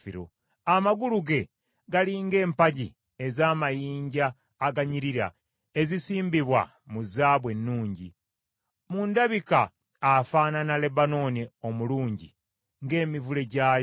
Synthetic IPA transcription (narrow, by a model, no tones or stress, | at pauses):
iɾo̰ | amaɡuluɡe̞ | ɡaliŋɡe̞ːmpaɟi | ezaːmajiːɲɟaː | ɡaɲiɾiɾa̰ | e̞zisiːmbiβwa̰ | muzaːβwe̞nːuːɲɟḭ | mundaβikaː | faːnanale̞bano̞nio̞muluːɲɟḭ | ŋɡe̞ːmivule̞ɟa